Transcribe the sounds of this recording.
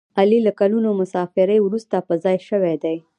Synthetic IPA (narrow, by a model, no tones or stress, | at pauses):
alilakalunomʊsɑfɪɾəjwɾust̪apəzɑjʃəwed̪e